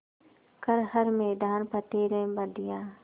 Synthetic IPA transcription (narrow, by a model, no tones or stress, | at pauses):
kəɾhəɾmeːd̪aːnpəʈeːɾẽːbəd̪ɪjaː